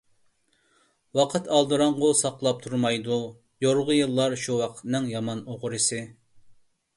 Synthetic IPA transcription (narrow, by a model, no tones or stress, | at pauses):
wɑqʰət̪ʰɑlˠd̪ɨɾɑɴʁʊsɑqlˠɑp̚t̪ʰuɾmɑjd̪u | joɾʁʊjɨlˠːɑɾʃuwɑqʰə̥t̪nɨŋjɑmɑnoʁʊɾɨsɪ